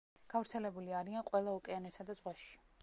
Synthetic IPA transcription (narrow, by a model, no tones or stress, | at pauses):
ɡ̥avɾt̪sʰɛlɛbuliaɾianqʼwɛlˠaukʼɛanɛsad̪azʁwaʃi̥